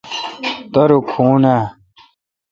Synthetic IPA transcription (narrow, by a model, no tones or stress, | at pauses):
t̪ɐɾukʰuːna